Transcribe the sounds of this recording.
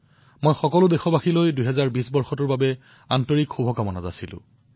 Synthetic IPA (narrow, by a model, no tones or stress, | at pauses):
mojxɔkɔlʊdexɔbaxilojdujɦɛzaɹbisbɔɹxɔtʊɹbabɛ | antɔɹikxubʱɔkamɔnaza̰silʊ̰̃